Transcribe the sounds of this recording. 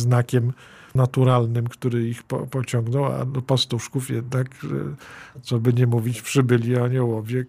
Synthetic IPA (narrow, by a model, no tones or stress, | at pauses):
znakʲɛmnat̪uɾalnɘmkt̪uɾɘixpɔ̰pɔt͡ɕɔŋɡnɔwa̰d̪ɔpast̪uʂkufjɛd̪nak | t̪sɔbɘɲɛmuvʲit͡ɕpʂɘbɘlʲiaɲɛwɔvʲjɛ